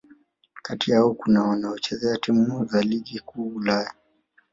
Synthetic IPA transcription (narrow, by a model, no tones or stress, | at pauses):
katijaɔkunawanaɔt͡ʃɛzɛatim̩uzaliɠikuːulaja